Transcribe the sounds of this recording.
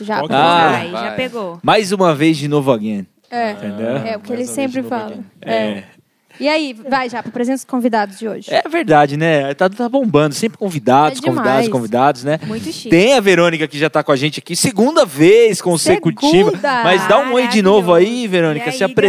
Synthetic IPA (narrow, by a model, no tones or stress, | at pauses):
ʒaaaʒapeɡomajzũmɐvejzd͡ʒɪnovʊaɡẽn | ɛ̃t̪ẽnd̪ewɛʊkɪelɪssẽmpɾɪfalɐɛɛ | iaivajʒapɾɐpɾezẽnskõvid̪ad̪ʊzd͡ʒɪoʒɪɛveɾd̪ad͡ʒɪnɛt̪at̪abõmbɐ̃nd̪ʊsẽmpɾɪkõvid̪ad̪ʊskõvd̪ad̪skõvid̪ad̪ʊsnɛmũj̪̃t̪ẽj̃ɐveɾõnikɐkɪʒat̪akõɐʒẽnt͡ʃɪakiseɡũnd̪ɐveskõsekut͡ʃivɐmɐjzd̪aũmejd͡ʒinovʊaiveɾõnikɐsɪapɾe